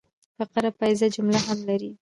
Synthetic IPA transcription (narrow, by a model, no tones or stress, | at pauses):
paqaɾapajzad͡ʒʊmlaɦamlaɾi